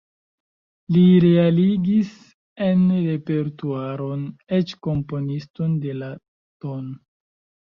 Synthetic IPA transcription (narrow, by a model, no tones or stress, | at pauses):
liɾealiɡis | e̞nɾe̞pe̞ɾtuaɾo̞net͡ʃko̞mpo̞nisto̞nde̞la | ton